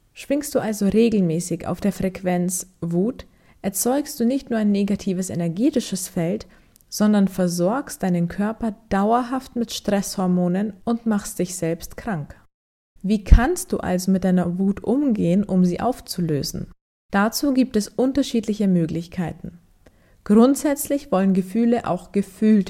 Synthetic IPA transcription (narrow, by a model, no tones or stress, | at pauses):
ʃv̥ɪŋst̚d̥uːʔalzoʁeːɡl̩mɛːsɪça̰ʊfd̥eːɐfʁ̥ɛkv̥ɛnt͡svuːt | ʔɛɐt͡sɔʏkst̚d̥uːnɪçtnuːɐaɪnːeːɡatʰiːvəsḛnɛɐɡeːtɪʃəsfɛlt | z̥ɔndɐnfɛɐzɔɐkstd̥aɪnənkʰœɐpɐd̥aʊɐɦaftmɪtʃtʁ̥ɛshɔɐmoːnənʊntmaχstd̥ɪçz̥ɛlpstkʁ̥aŋk | viːkʰanst̚d̥ṵːʔa̰lzomɪt̚d̥aɪnɐvuːtʔʊmɡeːənʔʊmziːʔa̰ʊft͡sulø̰ːzn̩ | d̥at͡suːɡiːp̚tɛsʔʊntɐʃiːtlɪçəmøːklɪçkʰaɪtn̩ | ɡ̥ʁʊntz̥ɛt͡slɪçv̥ɔlənɡəfyːləʔa̰ʊxɡ̥əfyːlt